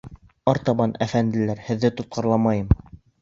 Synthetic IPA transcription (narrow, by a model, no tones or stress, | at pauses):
ɑɾt̪ɑβɑnʔæfænd̪ɘ̆læɾhɘ̆ðːɘt̪ŏt̪̚qɑɾlˠɑmɑjɤm